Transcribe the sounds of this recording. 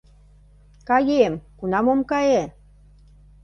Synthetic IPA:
kɑjemkunɑmomkɑje

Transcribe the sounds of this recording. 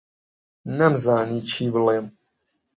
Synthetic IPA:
nɛmzaːniːt͡ʃʰiːbleːm

